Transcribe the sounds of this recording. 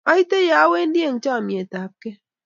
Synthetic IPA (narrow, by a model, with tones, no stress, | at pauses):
a˨˦i˦te˦ja˨˦we˦n̩˦de˦˨ŋ̩˦t͡ʃa˦˨mi˨e˨ta˨˦p̚ke˦